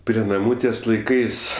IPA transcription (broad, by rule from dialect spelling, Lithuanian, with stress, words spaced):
pʲrʲiɛ nɐˈmuː ˈtʲiɛs lˠɐɪˈkɐɪs